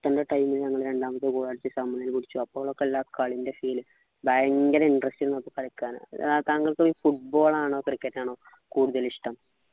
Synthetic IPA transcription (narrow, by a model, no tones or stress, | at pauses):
t̪ːɐndeʈɐjmilɲɐŋːɐɭɾe̞ɳɖaːmɐt̪ːɨkuːɽaːɽit͡ɕːɨsɐmːɐnːɐilkuɽit͡ɕːuɐpːoɣɐɭokːeelːaːkaɭinde̞fiːlɨ | baːŋɡɐlɐiɳɖrɐsʈinenːɐpːɐkːɐɻikʲːaːnɨ̰t̪aŋɡɐɭkɨifuʈ̚bo̞ːɭaːɳo̞ːkrikːetːaːɳo̞ː | kuːɽuðɐliʂʈɐm